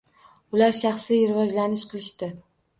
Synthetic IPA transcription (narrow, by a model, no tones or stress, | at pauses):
ʊlaɾʃɑχsɪɾɪvɒd͡ʒlanɪʃqʰɨlˠɪʃt̪ɪ